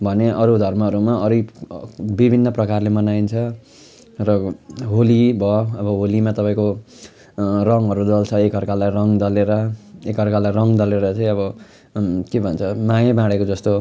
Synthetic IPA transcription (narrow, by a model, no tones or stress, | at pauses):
bʱʌneʔʌɾud̪ʱʌrmʌʌɾumaʌɾi | bibʱinːʌprʌkarlemʌnaint͡sʰʌ | rʌɦolibʱʌʌbʌɦolimat̪ʌpaĩko | rʌŋɦʌɾud̪ʌlt͡sʰʌekɦʌrkalajrʌŋd̪ʌleɾʌekʌrkalajrʌŋd̪ʌleɾʌt͡saĩʌbʌ | kebʱʌnt͡sʰʌmajʌbãɽekod͡zʌst̪o